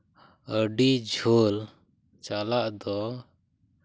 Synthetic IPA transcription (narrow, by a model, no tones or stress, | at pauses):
əɖid͡ʒʱol | t͡ʃalaʔd̪ɔ